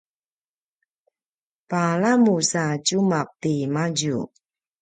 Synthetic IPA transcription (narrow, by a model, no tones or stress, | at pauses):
palamusat͡ɕumaq̚timaɟṵ